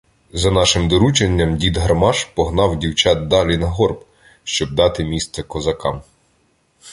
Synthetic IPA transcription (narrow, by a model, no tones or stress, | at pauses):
zɐnɑʃɪmd̪ɔɾut͡ʃenʲːɐmdʲid̪ɦɐrmɑʃpɔɦnɑwdʲiwt͡ʃɑt̪̚d̪ɑlʲinɐɦɔrb | ʃt͡ʃɔb̚d̪ɑt̪ɪmʲist̪sɐkɔzɐkɑm